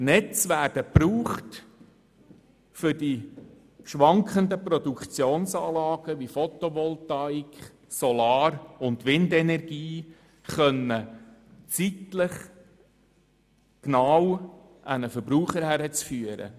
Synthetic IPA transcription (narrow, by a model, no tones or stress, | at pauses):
nɛt͡sʋæːɾd̥əpɾuːχt | fʏɾdi | ʃʋɑŋkʰχəndəprɔd̪ukχt͡sjoːnsɑːlɑːɡ̥əʋifɔt̪ɔʋɔltɑikχ | sɔlɑːɾʊndʋɪndɛnɛrɡ̥iː | χœnːət͡sitləχ | knaw | ʔænəfəɾbɾuːχəɾhæɾət͡sfyːəɾə̰